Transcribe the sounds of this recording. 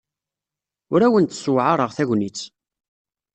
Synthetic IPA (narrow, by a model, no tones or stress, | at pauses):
ʊɾæwənt̪swʕaɾˤəʁθæʝnit͡sː